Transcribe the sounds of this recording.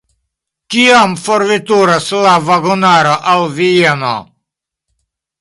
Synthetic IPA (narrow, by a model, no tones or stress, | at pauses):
kiamfoɾvit̪uɾaslavaɡonaɾoʔalvieno̰